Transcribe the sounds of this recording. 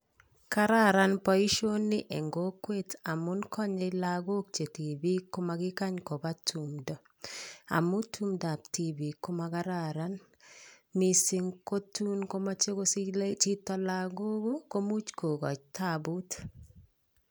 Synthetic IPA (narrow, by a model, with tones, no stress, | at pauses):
ka˦ɾa˦ɾa˦npɔ˨i˦ʃo˦nːɪ˦ʔe˨ŋɡo˦kwe˦ta˨mʊ˦nkʰɔ˦ɲɪlaɡo˦kt͡ʃe˨ti˨bi˦ko˦ma˨ɡɪ˦ka˦ɲko˨ba˦tʰumdɔ˨ | a̰˨mu˦tʰu˦mda˨pti˦bi˨ko˦ma˧ka˦ɾaɾa˦n | mi˨si˦ŋko˦tu˦nko˦ma˦t͡ʃe˦ko˦sit͡ʃi˦tɔ˦laɡo˦ɡo˦ko˦mu˦t͡ʃko˨ɡɔ̰˨t͡ʃtʰabut